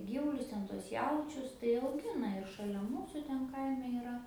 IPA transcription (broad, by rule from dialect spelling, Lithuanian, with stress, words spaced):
ˈɡʲiːʋʊlʲʊs ˈtʲɛn tuɔs ˈjɛʊt͡ʃʲʊs tɐɪ ɐʊˈɡʲɪnɐ ɪr ʃɐˈlʲɛ ˈmuːsʊ ˈtʲɛn ˈkɐɪmʲɛ iːˈrɐ